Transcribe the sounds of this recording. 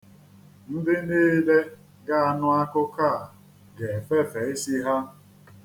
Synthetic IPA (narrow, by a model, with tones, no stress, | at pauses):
n̩˦dɪ˦n̩˦dɪ˦i˦le˦ | ɡa˦a˨nʊ˦a˦kʊ˦kaː˦˨ | ɡe˨fe˦fe˨e˦si˦ɦa˦